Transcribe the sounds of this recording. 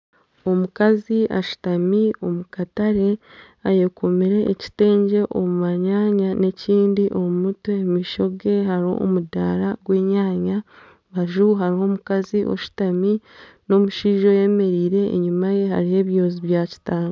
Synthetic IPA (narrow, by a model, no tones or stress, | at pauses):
o̞mukaziʔa̰ʃu̥tamio̞mukataɾe̞ | aje̞kʰo̞miɾe̞ʔːci̥te̞ːɲɟe̞ʔomuβaɲaːɲane̞ciːndiʔo̞mumutweːmiʃo̞ɡe̞haɾo̰ʔo̰mudaːɾaɡwe̞ːɲaːɲa | βaʒuɦaɾiho̞mukaziʔo̞̰ʃu̥tami | no̞muʃiːʒo̞je̞me̞ɾiːɾe̞̰ːɲumaje̞ha̰ɾihe̞ːβjo̞ːziβjaːci̥taːŋɡo